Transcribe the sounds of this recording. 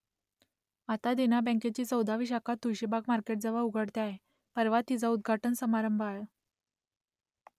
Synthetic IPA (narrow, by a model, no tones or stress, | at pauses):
at̪ad̪enabə̃ŋket͡ɕiːt͡səwd̪aʋiːɕ̬akʰat̪ːujɕebakmaɾkeʈ̚d͡zəʋauɡʱəɽt̪jaɦe | pəɾʋat̪ːid͡zaud̪̚ɡʱaʈənsəmaɾəmbʱaɭə